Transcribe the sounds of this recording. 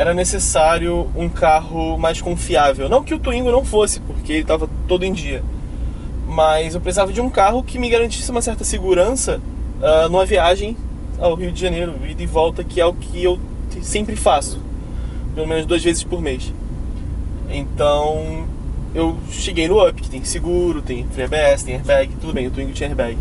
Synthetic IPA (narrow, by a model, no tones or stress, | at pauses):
ɛɾɐnesesaɾjʊũkaɦʊmajskõfiavewnɐ̃w̃kɪʊt̪uĩŋɡʊnɐ̃w̃fosɪ̥poɾkeelɪt̪avɐt̪od̪ʊẽj̃d͡ʒiɐ | mɐjzewpɾes̬izavɐd͡ʒɪũkaɦʊkɪmɪɡaɾɐ̃nt͡ʃisɪũmɐsɛɾt̪ɐsɪɡuɾɐ̃sɐɛnũmɐviaʒẽj̃ | awɦiʊd͡ʒɪʒɐ̃nejɾʊɪd̪ɪvɔwt̪ɐkʰɪɛʊkʰɪew̪ | sẽmpɾɪfasʊ | pelomẽnʊʒd̪uɐzvezɪʃpoɾmes | ẽnt̪ɐ̃w̃ | ew | ʃeɡejnʊɐpkɪ̥t̪ẽj̃sɪɡuɾʊt̪ẽj̃fɾiabeɛsɪ̥t̪ẽj̃ehbɛɡɪt̪ud̪ʊbẽj̃ʊt̪uĩŋɡʊt͡ʃĩɲehbɛɡɪ